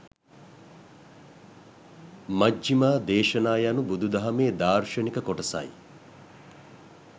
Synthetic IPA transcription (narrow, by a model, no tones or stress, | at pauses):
mɐd͡ʒimaːd̪eːʃɐnaːjanubud̪ʱud̪ɐɦɐmeːd̪aːrʃɐnikɐkoʈɐsa̰j